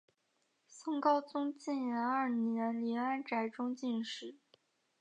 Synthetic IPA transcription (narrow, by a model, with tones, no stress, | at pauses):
sɤ˥ŋkɑ˥˩ʊt͡sʊ˥ŋt͡ɕi˥˩njɛ˧˥nə˞˥˩njɛ˧˥nli˧˥a˥nʈ͡ʂa˧˩ɪʈ͡ʂʊ˥ŋt͡ɕi˥˧nʂɻ̩˥˩˦